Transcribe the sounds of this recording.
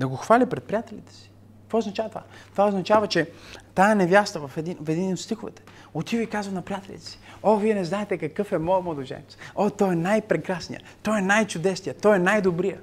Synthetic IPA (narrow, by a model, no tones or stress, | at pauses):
d̪ɐɡoxvalʲipɾɛt̪̚pɾijat̪ɛlʲit̪ɛ̥si̥ | kkkvooznɐt͡ʃavət̪ova̰t̪ovaoznɐt͡ʃavət͡ʃɛt̪ajənɛvʲjast̪əvɐfɛd̪infɛd̪inot̪st̪ixʊvɛ̰t̪ɛ̥ | ot̪ivəikazvɐnɐpɾijat̪ɛlʲḭt̪ɛ̥si̥oviɛnɛznaɛt̪ɛkɐkɤfɛmɔjəmod̪ʊʒɛ̰nḭt̪sot̪ɔɛnajpɾɛkɾasnḭjə̰t̪ojɛnajt͡ʃʊd̪ɛsnijət̪ɔjɛnajd̪obɾijə